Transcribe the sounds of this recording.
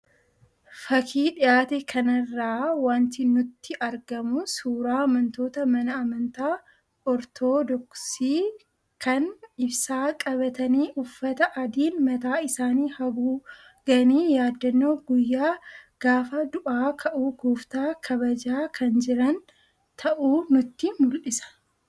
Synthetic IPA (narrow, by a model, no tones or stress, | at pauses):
fɐkʰiːᶑɪjaːt̪ɛkʰɐnɐrːaːwaːnt̪ɪnʊt̪ːɪʔɐɾɡɐmʊsuːɾaːɐmɐnt̪o̞ːt̪ɐmɐnɐɐmɐnt̪aː | ɔɾt̪ʰoːd̪ɔksiː | kɐnɪbsaːkʼɐbɐt̪ɐniːʔʊfːɐt̪ɐʔɐd̪iːnmɐt̪aːɪsaːniːhɐbuː | ɡ̥ɐniːjaːd̪ːɐnːoːɡʊjːaːɡ̥aːfɐd̪ʊʔaːkʰɐʔuːɡuːft̪aːkʰɐβɐd͡ʒaːkʰɐnd͡ʒɪɾɐn | t̪ʰɐʔuːnʊt̪ːɪmʊlʔɪsɐ̥